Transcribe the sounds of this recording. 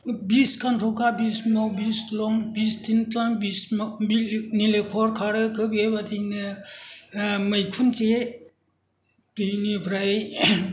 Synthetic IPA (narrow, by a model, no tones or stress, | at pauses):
biskantʰɔkabismowbislɔŋbistʰintaŋbisbnilekʰɔɾkʰaɾɯkɯbiajbatʰinɯ | mɐjkʰunt͡ʃe | tijnipʰɾaj